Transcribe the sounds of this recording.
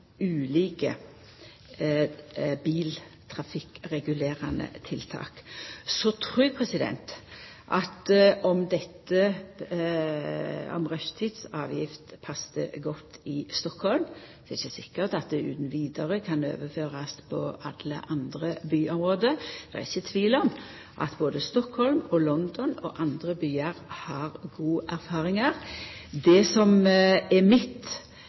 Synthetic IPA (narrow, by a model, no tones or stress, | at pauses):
ʉːliːkə | biːlt̪ʰɾɑfɪkʁɛɡʉleːɾɑnə̰t̪ʰɪlt̪ʰɑ̰ːksɔt̪ʰɾʉːpʰɾɛsɪd̪ɛ̰nt̪ | ʔɑt̪ɔmd̪ɛt̪ːə | ɔ̰mʁœʃt̪ʰiːd̪sɑːʋjɪft̪pʰɑsːd̪ə̰ɡɔt̪ʰːɪst̪ɔkhɔlmd̪ɛɪçːəsɪkːəɾt̪ɑt̪̚d̪ɛʉ̰ːd̪n̩ʋiːd̪ɑʁəkʰɑnø̰ːʋəføːʁɑspʰɔ̰ɑlə̰ʔɑnd̪ɾəbyːʔɔmʁoːd̪əd̪̥ɛ̰æ̰ɪçːət̪ʰʋiːlɔm | ʔɑ̰t̪boːd̪əst̪ɔkhɔlmɔlɔnd̪ɔnɔ̰ʔɑnd̪ɾəbyːɑʁhɑʁɡuːʔæɾfɑːɾɪŋɑʁd̪ɛsɔmɛmɪt̪ː